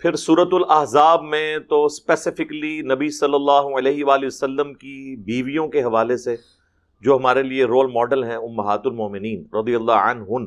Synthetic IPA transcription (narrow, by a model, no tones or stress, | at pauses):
pʰɪɾsuːɾət̪ʊlɐɦzaːbmẽt̪ospɛsɪfɪklinɐbisɐlːəlːaːɦoɐlɛːɦɪʋaːliʋɐsəlːəmkibiːʋijõkeɦɐʋaːlese | d͡ʒoːɦɐmaːɾelieɾoːlmɔːɖəlɦɛ̃ʊmːɐɦaːt̪ʊlmɔːmɪniːnɾɐd̪ijəlːaɐ̰nɦʊn